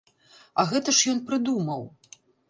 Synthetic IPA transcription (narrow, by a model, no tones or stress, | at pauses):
ɐɣɛt̪ɐʂjɔnpɾɨd̪umɐw